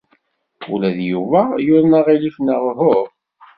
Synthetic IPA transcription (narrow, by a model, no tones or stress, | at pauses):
ṵlæðjuvæjʊɾnaʁilifnəʁɦʊɾ